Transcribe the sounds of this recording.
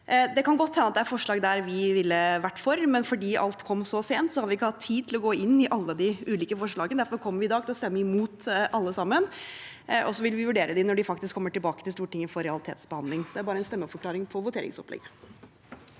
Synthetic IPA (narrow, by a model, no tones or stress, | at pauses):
d̪ɛkɑnɡɔt̪ːɛnːɑt̪d̪ɛæɾfɔʂɭɑːɡd̪æɾʋɪʋɪlːəʋæʈːfɔɾmɛnfɔɖiːʔɑ̰lt̪kʰɔmːsɔseːnt̪sɔhɑɾʋɪɪkːəhɑt̪ʰːiːd̪̚t̪ʰɪlɔɡoːɪnːɪʔɑlːəd̪ɪʉːliːkəfɔʂɭɑːɡənd̪æɾfɔɾkʰɔmːəɾʋɪd̪ɑːɡt̪ʰɪlɔst̪ɛmːəɪmuːt̪ʔɑlːəsɑmːən | ʔɔsːɔʋɪlʋɪʋʉɖeːɾəd̪ɪnɔɖɪfɑk̚t̪ɪskʰːɔmːəʈɪlbɑːkət̪ʰɪlst̪uːʈɪŋːəfɔɾɛɑlɪt̪ʰḛːt̪sbəhɑnd̪lɪŋsɔd̪ɛæɾbɑːɾəɛnst̪ɛmːəfɔɾkʰlɑːɾɪŋpʰɔʋʊt̪eːɾɪ̰ŋsɔplɛ̰ɡə